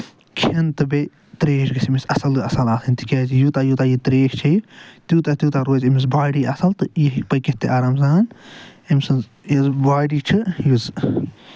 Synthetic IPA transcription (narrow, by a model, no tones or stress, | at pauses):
kʰiɐnt̪ɨbe | t̪ɾeːʃɡɐsimisɐsɐlɨɐsɐlaːsʰɨnʲt̪ikʲaːzijut̪aːjut̪aːjit̪ɾeːʃt͡ʃʰɐit̪juːt̪at̪ʲjuːt̪aːɾoːzʲimis̬baːɖiːʔɐsɐlt̪ɨjiɦkpɐkeht̪eʔaːɾaːmzaːnimsɐnz | jɐzbaːɖiːt͡ʃʰɨjuz